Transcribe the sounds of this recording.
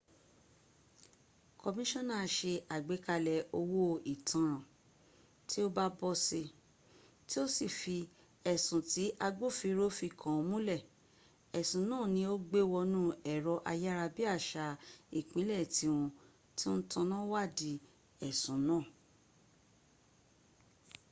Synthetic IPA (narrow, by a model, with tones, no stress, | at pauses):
ko˧mĩ˦ʃɔ̃˦˨nã˦˨˧ʃe˧a˨ɡ͡be˨˦ka˧lɛ˨o˧wo˦i˨tã˨˦ɾ̃ã˨ | ti˦o˦ba˦bɔ˧si˧ | ti˦o˦si˦˨fi˧ | ɛ˨sũ˨ti˨˦ʔa˧ɡ͡bo˦˨fi˧˦ɾo˦fi˧kʰã˨o˨˧mũ˦lɛ˦˨ | ɛ˨sũ˨˦nãː˦˨nĩ˧˦o˦ɡ͡be˦wɔ˧nũ˦ɛ˨ɾɔ˧ʔa˧ja˦ɾa˧bi˦a˦˨ʃa˨˧i˨k͡pĩ˨˦lɛ˦˨ti˧˦w̃ɔ̃˧ | ti˦n̩˦tɔ̃˧nã˦wa˦˨di˧ | ɛ˨sũ˨˦nãː˦˨